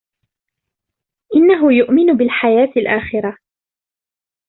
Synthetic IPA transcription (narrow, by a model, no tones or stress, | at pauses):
ʔɪnːaɦʊjʊʔmɪnʊbɪlħajaːt̪ɪlʔaːxɪɾa